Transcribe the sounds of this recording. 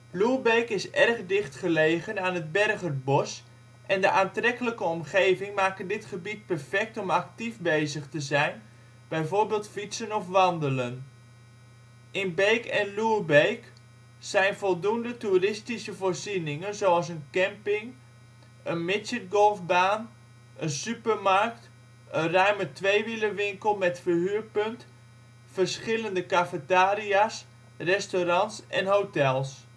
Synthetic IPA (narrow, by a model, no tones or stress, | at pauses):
lubejkɪsɛrχdɪχtχəlejχənaːnəd̚bɛrχərbɔs | ʔɛndəʔaːntrɛkələkəɔmχejvɪŋmaːkəndɪtχəbit̚pɛrfɛk̚tɔmɑk̚tifbejzəχtəzɛjn | b̥ɛjvoːɹbeːlˠtfitsənɔfʋɑndələn | ʔɪnbejkɛnlubejk | sɛjnfɔlˠdundəturɪstisəvoːrzinɪŋənzoɑlˠs̬ənkɛmpɪŋ | ənmɪsət̚ɡolˠfbaːn | ənsypərmarkt | ʔənrœɥmətʋejʋiləʋɪŋkəlˠmɛtfərhyːrpɵnt | fərsχɪləndəkafətaːɾias | rɛstoɾɑnsɛnɦowtɛlˠs